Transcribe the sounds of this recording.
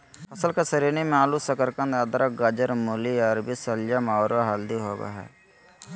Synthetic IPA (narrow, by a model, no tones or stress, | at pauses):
əsəlkasəɾiːnimẽaːlusəkəɾkə̃nd̪aːd̪ɾaɡad͡ʒəɾmoliːəɾbisəld͡ʒaːmaːoːɾʋaɦaːld̪iɦoːʋa̰ɦɛ̰ː